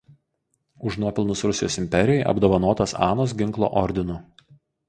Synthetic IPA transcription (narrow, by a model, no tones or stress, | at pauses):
ʊʃnuɔpʲɪlˠnʊsɾʊsʲɪjoːsɪmʲpʲɛɾʲɪjɛɪʔɐ̰bd̪oːʋɐnoːt̪ɐsɑ̰ːnoːsɡʲɪŋklˠo̰ːʔɔɾʲd̪ʲɪnʊ